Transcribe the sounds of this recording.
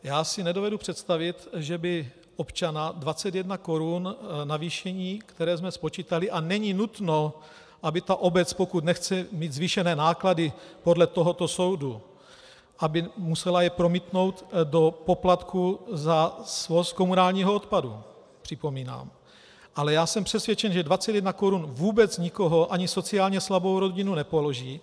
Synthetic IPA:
jaːsɪnɛdovɛdupr̥ɛt̪st̪avɪt̪ʒɛbɪ | ʔo̞pt͡ʃanadvat͡sɛt̪jɛdnako̞ɾunnaviːʃɛɲiːkt̪ɛɾɛːzmɛspo̞t͡ʃiːt̪alɪʔanɛɲɪnut̪no̞ | ʔabɪt̪aʔo̞bɛt͡spo̞kut̪nɛxt͡sɛmiːd̪zviʃɛnɛːnaːkladɪpo̞dlɛt̪o̞ɦo̞t̪o̞so̞wdu | ʔabɪmusɛlajɛpɾo̞miːt̪no̞wt̪do̞po̞plat̪kʰuzasvosko̞munaːlɲiːɦoot̪padu | pr̝̥ɪpo̞miːna̰ːm | ʔalɛjaːsɛmpr̝̥ɛsvjɛt͡ʃɛnʒɛdvat͡sɛt̪jɛdnakoɾunvuːbɛt͡sɲɪko̞ɦo̞ʔaɲɪso̞t͡siaːlɲɛslabo̞wɾo̞ɟɪnunɛpoloʒiː

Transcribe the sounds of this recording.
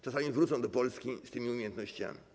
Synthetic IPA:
t͡ʂasamʲivɾut̪sɔ̃w̃d̪ɔpɔlskʲist̪ɘmʲiumʲejɛnt̪nɔɕt͡ɕa̰mʲi

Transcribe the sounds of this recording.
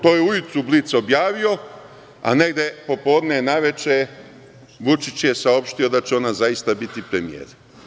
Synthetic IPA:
t̪o̞jeujut̪sublit̪seo̞bjaːʋio̞ | a̰ne̞ɡd̪e̞po̞po̞ːd̪nenaʋe̞t͡ʃe | ʋut͡ʃit͡ɕje̞sao̞pʃt̪io̞d̪at͡ɕeo̞nazajist̪abit̪ipɾe̞mijḛːɾ

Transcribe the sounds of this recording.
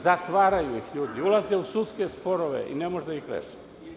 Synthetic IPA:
zat̪ʋaːɾajuixʎuːd̪iulˠazeusut̪skespoɾoʋḛʔḭnemoʒd̪aixɾḛʃe̥

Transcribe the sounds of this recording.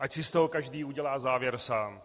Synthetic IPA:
ʔacsɪst̪oɦokaʒdiːuɟɛlaːzaːvjɛɾsaːm

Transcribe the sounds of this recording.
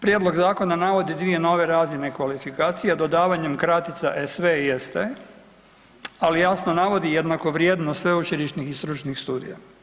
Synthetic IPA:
pɾjed̪lo̞ɡzaːko̞nanaʋo̞d̪id̪ʋie̞no̞ʋe̞ɾaːzinekʋalifikaːt̪sijad̪o̞d̪aːʋaɲemkɾat̪it̪saʔesʋejest̪e | alijasno̞naʋo̞d̪ijed̪nako̞ʋɾjeːd̪nosʋe̞ut͡ʃiɾiʃnixist̪ɾut͡ʃnixst̪uːd̪ḭja

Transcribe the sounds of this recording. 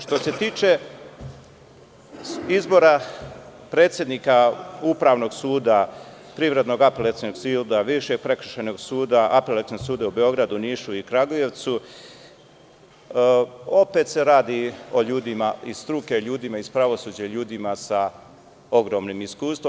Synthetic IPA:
ʃt̪o̞se̞t̪iːt͡ʃe̞ | izbo̞ɾa | pɾe̞ːt̪sʲje̞d̪nikaupɾaːʋno̞ɡsuːd̪a | pɾiʋɾe̞d̪no̞ɡapelet̪inoɡsild̪aʋiʃe̞ɡ̚pɾe̞kr̩ʃeno̞ɡsuːd̪aʔapelat̪inosuːd̪aube̞o̞ɡɾad̪uniːʃuikɾaɡoje̞ʋt̪su | o̞pet̪se̞ɾaːd̪io̞ʎuːd̪imaisst̪ɾuke̞ʎuːd̪imaispɾaʋo̞suːd͡ʑaʎuːd̪imasa | o̞ɡɾo̞mnimiskuːst̪ʋo

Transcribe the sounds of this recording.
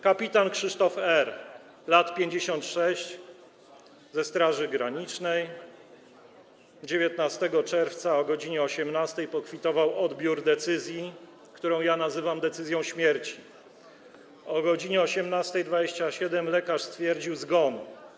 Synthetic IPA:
kapʲit̪ankʂɘʂt̪ɔfɛɾ | lat̪pʲjeɲd͡ʑeɕɔnt̪ʂɛɕt͡ɕ | zɛst̪ɾaʐɘɡɾaɲit͡ʂnɛj | d͡ʑevʲjet̪nast̪ɛɡɔt͡ʂɛɾft̪saɔɡɔd͡ʑiɲɛɔɕɛmnast̪ɛjpɔkfʲit̪ɔvawɔd̪bʲjuɾd̪ɛt̪sɘzʲji | kt̪uɾɔ̃w̃janazɘvamd̪ɛt̪sɘzʲjɔ̃w̃ɕmʲjɛɾt͡ɕi̥ | ɔɡɔd͡ʑiɲɛɔɕɛmnast̪ɛjd̪vad͡ʑeɕt͡ɕaɕɛd̪ɛmlɛkaʂst̪fʲjɛɾd͡ʑiwzɡɔnu

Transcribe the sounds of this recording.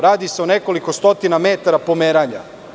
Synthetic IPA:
ɾaːd̪ise̞one̞ko̞liko̞st̪o̞t̪inamet̪aɾapomeːɾaɲa̰

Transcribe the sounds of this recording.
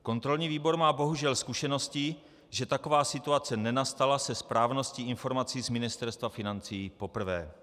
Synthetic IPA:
ko̞nt̪ɾo̞lɲiːviːbo̞ɾmaːbo̞ɦuʒɛlskuʃɛno̞scɪ | ʒɛt̪ako̞vaːsɪt̪uat͡sɛnɛnast̪alasɛspɾaːvno̞sciːʔɪnfo̞ɾmat͡siːzmɪnɪst̪ɛɾst̪vafɪnant͡siːpo̞pr̩vɛ̰ː

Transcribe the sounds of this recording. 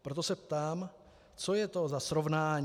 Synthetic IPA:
pɾo̞t̪̬o̞sɛpt̪aːm | t͡so̞jɛt̪o̞zasɾo̞vnaːɲ

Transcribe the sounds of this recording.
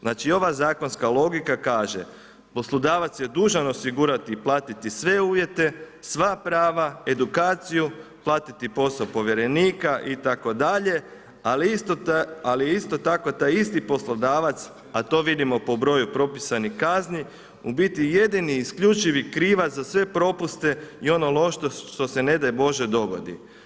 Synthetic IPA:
znaːt͡ʃio̞ʋazaːko̞nskalˠo̞ɡikakaːʒḛ | po̞slˠod̪aːʋat̪sjed̪uːʒano̞siɡuɾat̪iplˠaːt̪it̪isʋe̞uːʋje̞t̪e̞sʋapɾaːʋae̞d̪ukaːt̪sijuplˠaːt̪it̪ipo̞sapo̞ʋje̞ɾe̞niːkaʔit̪ako̞d̪aʎe̞ | alit̪aliist̪o̞t̪ako̞t̪ajist̪ipo̞slˠod̪aːʋat̪s | at̪o̞ʋid̪imo̞po̞bɾo̞jupɾo̞pisanixkazni | ubit̪ije̞d̪iniːskʎut͡ʃiʋikɾiːʋazasʋe̞pɾo̞pust̪e̞io̞nolˠo̞ʃt̪oʃt̪o̞se̞ne̞d̪ajbo̞ʒe̞d̪o̞ɡo̞̰d̪ḭ

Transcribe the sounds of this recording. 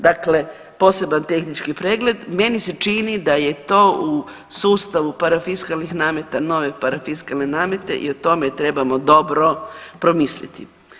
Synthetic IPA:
d̪akle̞ | po̞ːse̞bant̪e̞xnit͡ʃkipɾeːɡle̞d̪me̞nise̞t͡ʃiːnid̪aje̞t̪o̞ːu | suːst̪aʋupaɾafiskalnixnaːmet̪ano̞ʋe̞paɾafiskalne̞naːme̞t̪e̞̰ʔḭot̪o̞me̞t̪ɾe̞bamo̞d̪o̞bɾo̞pɾomislḭt̪ḭ

